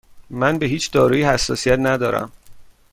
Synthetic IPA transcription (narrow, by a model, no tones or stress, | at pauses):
mænbe̞ɦiːt͡ʃʰd̪ɒːɾuːjihæsːɒ̰ːsijæt̪næd̪ɒːɾæ̰m